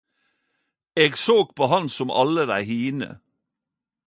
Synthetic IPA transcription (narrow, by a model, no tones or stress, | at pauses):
eːɡsoːk̚pʰoːɦɑnsɔmʔɑ̰ləd̪æɪhiːnə̰